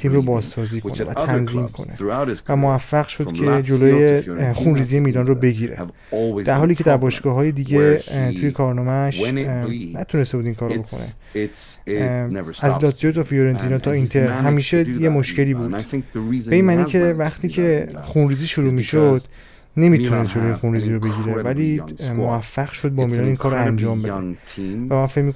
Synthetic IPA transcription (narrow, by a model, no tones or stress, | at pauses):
t̪ʰiːmrobɒːzsɒːziːkʰo̞nevæ̰tʰænziːmkʰo̰nevæmovæfːæɣʃo̞d̪̥cʰe̞d͡ʒoloːjexunriːzije̞miːlɒnrobe̞ɟiɾḛ | d̪æɾɦɒːliːcʰe̞d̪æɾbɒːʃɡ̥ɒːɦɒːje̞d̪iːɟe̞t̪ʰuje̞kʰɒːɾnɒːmæʃnæt̪ʰune̞st̪ebuːd̪iːŋkʰɒːɾobo̞kʰo̞̰nḛ | æzlɒːt̪ʰijot̪ʰɒfijoɾent̪ʰinɒt̪ʰɒint̪ʰeɾɦæmiːʃejemo̞ʃce̞liːbuːdɪ̃ŋibeiːnmæːnicʰe̞væχt̪iːcʰe̞xunɾiːziːʃoɾuːmiːʃod̪̥ | ne̞miːt̪ʰunesd͡ʒoloːjexunɾiːziːɾobe̞ɟiɾevælimovæfːæɣʃo̞d̪̚bɒmilɒːniːnkʰɒːɾoænd͡ʒɒːmbe̞d̪ʰvæmæfemik